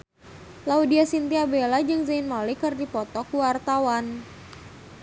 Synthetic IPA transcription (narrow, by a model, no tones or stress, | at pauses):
laudiasint̪iabelad͡ʒɨŋzainmalikɨrdipɔt̪ɔkuwart̪awan